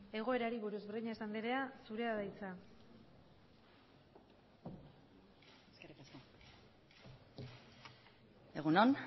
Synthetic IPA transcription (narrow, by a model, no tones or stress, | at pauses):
e̞ɣ̞o̞e̞ɾaɾiβuɾuzbriɲaesand̪iɾe̞asuɾe̞aðajt͡sa | eskerikasko | eɣunon